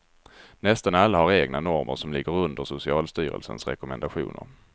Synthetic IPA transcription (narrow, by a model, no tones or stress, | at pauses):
nɛst̪analːahaɾeːɡnanɔɾmʔə̰ɾʂɔmlɪɡːəɾɵnd̪əʂʊsɪɑːlst̪yːɾə̰lsə̰nsɾɛ̰kʊmɛnd̪aɧṵːnə̰ɾ